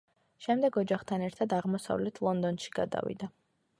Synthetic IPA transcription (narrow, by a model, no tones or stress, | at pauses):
ʃɛmd̪ɛɡɔd͡ʒaχt̪ʰanɛɾt̪ʰad̪aʁmɔsa̰vlɛt̪ʰlˠɔnd̪ɔnʃi̥ɡ̥a̰d̪a̰vḭd̪a